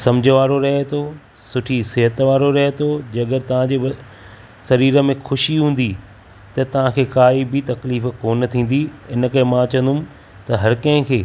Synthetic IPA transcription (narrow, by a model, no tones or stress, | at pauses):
sɐ̃md͡ʑʱəʋaːɾoɾɐɦet̪ʰoː | sʊʈʰisɪɦət̪ʋaːɾoɾɐɦet̪ʰoːd͡ʑɐɡəɾt̪ɐʋ̤ãd͡ʑeː | sɐɾiːɾə̆mẽxʊʃiɦũːn̆d̪i | t̪ɐt̪ɐʋ̤ãkʰeːkaːibɪt̪ɐkliːfkoːnt̪ʰĩːn̆d̪iɪn̆kɐɦẽmãɐt͡ɕə̃nd̪ʊm | t̪ɐɦɐɾkɐ̃ɦɪ̃kʰeː